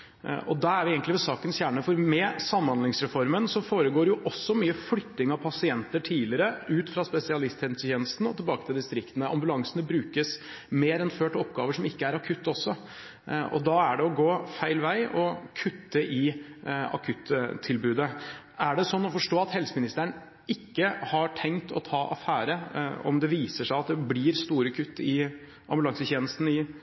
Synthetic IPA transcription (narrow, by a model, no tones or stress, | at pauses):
ɔ̰d̪ɑæɾʋɪɛːɡəŋt̪lɪʋɛsɑːkənsçæːɳəfɔɾmɛsɑmːɑnd̪lɪŋsɾɛfɔɾmənsɔfoːɾəɡoːɾjʊʔɔsːɔmyːəflʏt̪ːɪŋɑʋpʰɑsɪɛnt̪əʈʰiːlɪɾəʉːt̪fɾɑspɛsɪɑlɪst̪hɛnsəçʰeːnəst̪n̩ɔ̰t̪ɪlbɑːkət̪ʰɪld̪ɪst̪ɾɪkt̪ənəɑ̰mbʉlɑŋsənəbɾʉːkəs | meːɾɛnføːʈɔpːɡɑːʋəʂɔmɪkːəæɾɑkʰʉt̪ːɔsːɔ | ʔɔ̰d̪ɑæɖɛɔɡoːfæɪlʋæɪʔɔkʰʉt̪ːəʔɪ | ɑ̰kʰʉt̪ːt̪ʰːɪlbʉːd̪ə | æɖɛsɔnːɔfɔʂʈoːɑt̪hɛlsəmɪnɪst̪əɳ | ɪkːəhɑʈʰɛŋt̪ʰɔ̰t̪ʰɑːʔɑ̰fæːɾəɔ̰md̪ɛʋiːsəʂæɪɑt̪̚d̪ɛblɪːɾst̪uːɾəkʰʉt̪ːɪ | ʔɑ̰mbʉlɑŋsəçeːnəst̪n̩ɪ